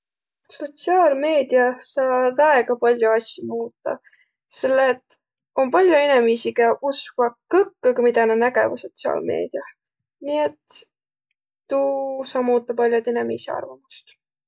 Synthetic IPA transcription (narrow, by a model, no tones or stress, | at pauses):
so̞t̪siɑːlme̞ːd̪̥iɑsɑːvæeɡ̥ɑpɑlʲjuɑsʲːimuːt̪ːˑɑ | se̞lːeːt̪ː | o̞mpɑlʲjuenemisiɡɑʔuskvɑkɤkːɑɡɑmid̪ɑnenæɡḛvɑso̞t̪siɑ̰ːlme̞̰ːd̪̥iɑ | niet̪ | usɑːmuːt̪ːˑɑpɑlʲjot̪enemisiɑ̰rvɑmust̪